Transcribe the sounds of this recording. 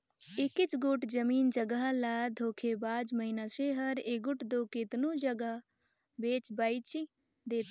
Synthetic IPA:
ɪkɪt͡ʃɡʊʈd͡ʒəmiːnd͡ʒəɡəɦlaːd̪ʱoːkʰebaːd͡ʒməɦinaːseɦəɾeɡʊʈd̪oːkɪt̪nõːd͡ʒəɡə | beːt͡ʃbaːit͡ʃi | d̪eːt̪ː

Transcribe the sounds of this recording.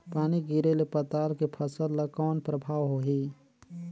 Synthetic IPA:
paːniɡiɾelepət̪aːlkepʰəsəlləkɔːnpɾəbʱaːwɦoɦi

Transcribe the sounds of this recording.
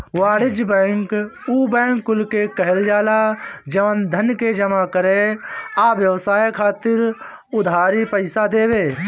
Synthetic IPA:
waːɽɪd͡ʒbɛ̃ːŋkuːbɛ̃ːŋkːʊlkekəɦɪld͡ʒaːlad͡ʒəʋənd̪ʱənked͡ʒəmakəɾeaːʋjəʋsaːjkʰaːt̪ɪɾ | ʊd̪ʱaːɾipəɪsad̪eːbeː

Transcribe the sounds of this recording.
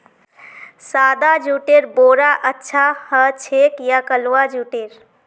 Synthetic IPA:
sad̪ad͡ʒuʈeɾboɾaʔətːʃʰahət͡ʃʰekjakəlwad͡ʒuʈeɾ

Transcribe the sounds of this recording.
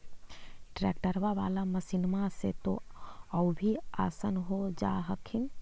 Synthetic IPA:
ʈɾɛ̰ːkʈəɾʋaʋa̰ːlaməsɪnmaset̪o̰əubʱiaːsənɦod͡ʒa̰ːɦəkʰɪn

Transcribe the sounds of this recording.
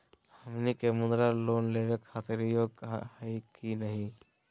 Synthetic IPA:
hɐmnikemʊnd̪ɾaloːnleːʋekʰːaːt̪ɪɾijokahikinɐɦĩ

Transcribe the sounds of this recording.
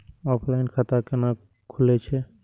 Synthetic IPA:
ɔpʰlajnkʰat̪akena | kʰulet͡ʃʰe

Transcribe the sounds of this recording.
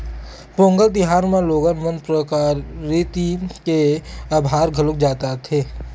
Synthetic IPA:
põːŋɡəld̪ɪɦaːɾmẽloːɡənmənpɾəkaːɾit̪ikeaːbʱaːɾɡʱəlʊk̚d͡ʒaːt̪at̪ʰeː

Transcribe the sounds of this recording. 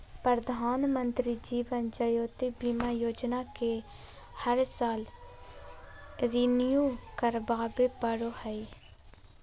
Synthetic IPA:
pɾəd̪ʱaːnmə̃nt̪ɾid͡ʒiːʋənd͡ʒəjoːt̪ibiːmajoːd͡ʒnake | həɾsaːl | ɾinijuːkəɾbaːbepəɽohɛi

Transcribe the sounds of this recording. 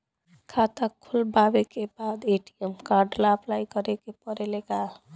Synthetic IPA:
kʰat̪akkʰulbabekebad̪eʈiemkaɾɖlaəplajkəɾekepəɾeleka

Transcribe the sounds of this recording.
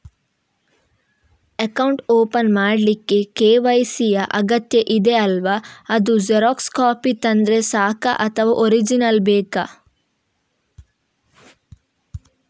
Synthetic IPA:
ɐkɐwɳʈoːpɐnmaːɽlikːe̞keːʋɐjsijɐʔɐɡɐt̪jɐʔid̪eɐlʋaɐd̪ud͡ʒeɾoːkskaːpit̪ɐnd̪ɾesaːkɐ̰ʔɐt̪ʰɐʋɐʔoɾid͡ʒinɐlbeːkɐ

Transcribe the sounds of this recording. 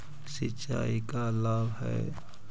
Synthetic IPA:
sɪt͡ʃa̰ːikalaːbɦɛ̰ː

